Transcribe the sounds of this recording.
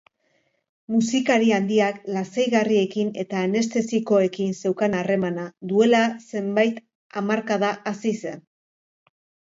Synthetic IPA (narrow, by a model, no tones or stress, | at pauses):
musikaɾiand̪iaklasejɣarie̞kine̞t̪aːne̞st̪e̞siko̞e̞kinse̞wkanare̞manaðue̞lase̞mbajt̪ | amaɾkaðaʔasise̞n